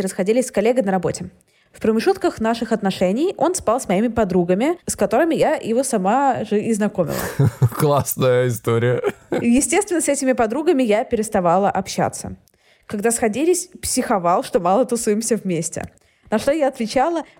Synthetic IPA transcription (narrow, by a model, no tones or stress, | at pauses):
ɪɾəsxɐdʲilʲɪsʲskɐlʲːeɡɨnəɾɐbo̞tʲɪ | fpɾəmʲɪʐut̪kəxnaʂɨxɐt̪nɐʂɛnʲɪjo̞nspalˠsmɐimʲɪpɐd̪ɾuɡəmʲɪskɐt̪o̞ɾɨmʲɪjajɪvo̞sɐmaʐɨʔɪznɐkomʲɪ̰lˠə̰klˠasnəjəɪst̪oɾʲɪjəjɪsʲtʲest̪vʲɪnəsɛtʲɪmʲɪpɐd̪ɾuɡəmʲɪjapʲɪɾʲɪst̪ɐvalˠəʔɐpɕːa̰t̪sə̰ | kɐɡ̚d̪asxɐdʲilʲɪsʲpsʲɪxɐvalˠʂt̪o̞mɑlˠət̪ʊsujɪmsʲəvmʲesʲtʲɪ̰ | nɐʂt̪o̞jaɐt̪vʲɪt͡ɕalˠə